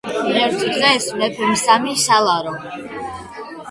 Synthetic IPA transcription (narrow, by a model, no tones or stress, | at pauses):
ʁɛɾt̪ʰd̪ʁɛsmɛpʰmsamiʃalˠaɾɔ